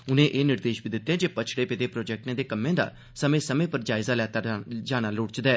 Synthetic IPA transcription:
ʊnẽːʔeːnɪɾd̪eːʃbiːd̪ɪt̪ːẽːd͡ʒeːpət͡ʃʰɽeːpeːd̪eːpɾoːd͡ʒɛːk̚ʈẽːd̪eːkəmːẽːd̪a̰ː | səmẽːsəmẽːpəɾd͡ʒaːɪzaːlɛːt̪aːd͡ʒaːɽ̃aːlʊːɽt͡ʃd̪aɛː

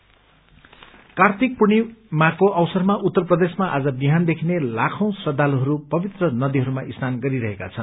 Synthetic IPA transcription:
kart̪ʰik̚puñimakoʔʌwsʌrmaʔut̪ːʌrprʌd̪esmaʔad͡zʌbiɦand̪ekʰinelakʰʌ̃w̃srʌd̪aloɦʌɾupʌbit̪rʌnʌd̪iɦʌɾumaʔisnanɡʌɾiɾʌɦeka̰t͡sʰʌn

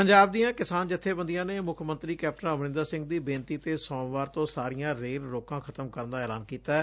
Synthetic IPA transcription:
pəɲd͡ʒaːbd̪ijãːkɪsaːnd͡ʒɪt̪ʰːeːbənd̪ijãːneːmʊkʰmə̃nt̪ɾiːkɛːp̚ʈənãəmɾɪ̃nd̪aːsɪ̃ŋɡ̚d̪iːbẽːnt̪iːt̪eːsɔ̃ːʋaːɾt̪õːsaːɾɪjãːɾeːlɾoːkãːkʰət̪əmkəɾənd̪aːɛːla̰ːnkiːt̪aɛ

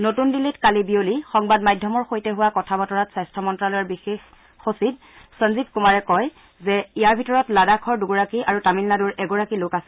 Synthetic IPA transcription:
notundilːitkalibiolixɔŋbadmajdʱːɔmɔɹxojtɛɦʊwakɔtʰabɔtɔɹatsajstʰɔmɔntɹalɔjɔɹbixex | xosid | sənzitkumaɹɛkɔj | zɛijaɹbʱitɔɹɔtladakʰɔɹduɡɔɹakiʔaɹutamilːaduɹʔɛɡɔɹakilokasɛ

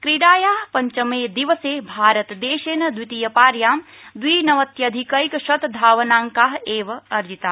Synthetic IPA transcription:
kɾiɽaːjaːɦpɐɲt͡ʃɐmeːd̪iʋɐseːbʱaːɾɐt̪d̪eːʃeːnɐd̪ʋit̪iːjɐpaːɾjaː | d̪ʋiːnɐʋɐt̪jɐd̪ʱikɐikʃɐt̪d̪ʱaːʋɐnaːŋkaːɦeːʋɐɐɾd͡ʒit̪aː

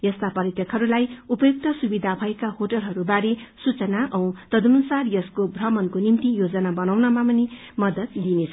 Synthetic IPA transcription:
jʌst̪apʌɾit̪jʌkɦʌɾulajupʌjuk̚t̪ʌsubid̪ʱabʱʌekahoʈʌlɦʌɾubaɾesut͡sʌnaʔʌw̃t̪ʌd̪unusarjʌskobʱrʌmʌnkonimt̪ijod͡zʌnabʌnawnʌmapʌni | mʌd̪ʌt̪d̪inet͡sʰʌ

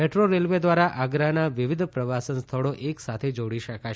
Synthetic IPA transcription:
peʈɾoɾelʋed̪ʋaɾaʔaɡɾanaʋɪʋid̪ʱpɾəʋasənst̪ʰəɭoʔeksat̪ʰed͡ʒoɽiʃəkaʃ

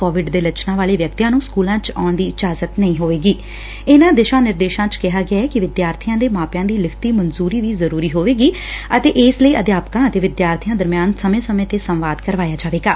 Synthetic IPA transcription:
koːʋɪɖd̪eːlət͡ʃnãːʋaːleːʋjək̚t̪ijãːnũːskuːlãːt͡ʃaːɳd̪iːɪd͡ʒaːzət̪nəĩːɦoːʋeːɡiː | ɪnãːd̪ɪʃãːnɪɾd̪eːʃãːt͡ʃkɪɦaːɡɪaːɛːkɪʋɪd̪jaːɾt̪ʰɪjãːd̪eːmaːpjãːd̪iːlɪkʰt̪iːmənzuːɾiːʋiːzəɾuːɾiːɦoːʋeːɡiː | ət̪eːʔɪːsləiːəd̪jaːpkãːət̪eːʋɪd̪jaːɾt̪ʰijãːd̪əɾmejaːnsəmẽːsəmẽːt̪eːsə̃mʋaːd̪kəɾʋaːjaːd͡ʒaːʋeːɡaː

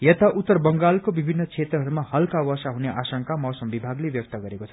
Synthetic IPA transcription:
jʌt̪aʔut̪ːʌrbʌŋɡalkobibʱinːʌt͡sʰet̪rʌɦʌɾumahʌlkawʌsaɦuneʔasʌŋkamʌwsʌmbibʱaɡlebjʌk̚t̪ʌɡʌɾekot͡sʰʌ

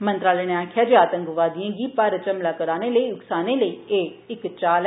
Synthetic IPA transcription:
mənt̪ɾaːleːnẽaːkʰjaːd͡ʒaːt̪ə̃ŋkʋaːd̪ɪjãːɡiːpaːɾət͡ʃəmlaːkəɾaːneːləiːʊksaːneːləiːeːɪkt͡ʃaːl

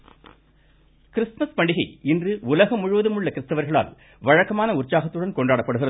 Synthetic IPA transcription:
kɪɾɪsmɐspɐɳɖɪɣɐɪɪndrɯʊlɐɣɐmʊɻʊʋɐðɯmʊɭːɐkɪɾɪst̪ːɐʋɐɾɣɐɭa̰ːl | ʋɐɻɐkːɐmaːnɐʊrt͡ʃːaːɣɐt̪ːɯɽɐnkɔɳɖaːɽɐpːɐɽɯɣɪrɐ

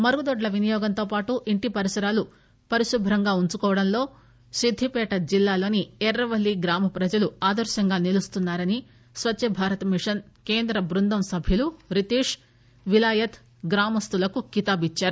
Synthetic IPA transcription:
mɐɾuɡud̪ɔɖlɐʋinijɔːɡɐnt̪o̞ːpaːʈuʔiɳʈipɐɾisɐɾaːlu | pɐɾiʃubʱɾɐŋɡaːuɲt͡ʃukɔːʋɐɽɐnlo̞ː | sid̪ʱːipɛːʈɐd͡ʒilːaːlo̞ːniɛɾɾɐʋɐlːiɡɾaːmɐpɾɐd͡ʒɐluaːd̪ɐɾʃɐŋɡaːnilust̪unːaːɾɐni | sʋɐt͡ʃːɐbʱaːɾɐt̪ɐmiʂɐn | ke̞ːnd̪ɾɐbɾund̪ʱɐmsɐbʱjuluɾit̪iːʂ | ʋilaːjɐt̪ | ɡɾaːmɐst̪ulɐkukit̪aːbit͡ʃːaːɾu

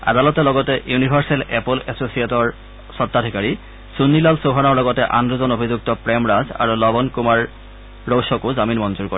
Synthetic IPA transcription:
a̰dalɔtɛlɔɡɔtɛjunibʱaɹsɛlɛpolɛsosijetɔɹ | sɔtːadʱikaɹi | sunːilalsoɦanɔɹlɔɡɔtɛʔandɹuzɔnobʱizuk̚tɔpɹɛmɹaza̰ɹulɔbɔnkumaɹː | owsɔkʊzaminmɔnzuɹkoɹɛ

